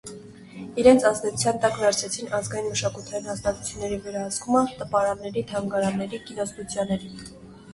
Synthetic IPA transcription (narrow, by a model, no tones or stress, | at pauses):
iɾɛnt͡sʰɑzd̪ɛu̥t͡sʰjɑnt̪ɑkvɛɾt͡sʰɛt͡sʰinɑzɡɑjinməʃɑkut̪ʰɑjinhɑst̪ɑt̪u̥t͡sʰjunːɛɾivɛɾɑɦəskumət̪əpɑɾɑnːɛɾit̪ʰɑŋɡɑɾɑnːɛɾikinɔst̪ut͡sʰjɑnːɛɾi